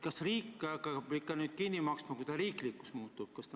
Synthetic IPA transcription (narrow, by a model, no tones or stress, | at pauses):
kɑsriːkːkɑpikːɑnyːt̪̚kinʲːimɑksmɑkut̪ɑɾiːklikːu̥smuːt̪ːˑub̥̚kɑst̪